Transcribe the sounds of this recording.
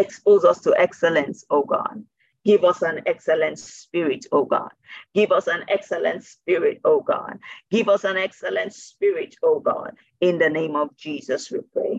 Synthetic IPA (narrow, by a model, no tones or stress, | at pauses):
ɛkspozʌstʰuʔɛksɛlɛ̃nsoɡɔ̰d | ɡɪvʌsæ̃nɛksɛlɛ̃ntspɪɹɪtʰoɡɔ̰d̚ɡ̥ɪvʌsæ̃nɛksɛlə̰̃ntspɪɹɪ̰toɡɔ̰dɡɪvʌsæ̃nɛksɛlɛ̃ntspɪɹɪtʰoɡɔ̰d | ɪ̃nðənẽɪ̃mɔvd͡ʒiːzʌswipʰɹ̥ḛɪ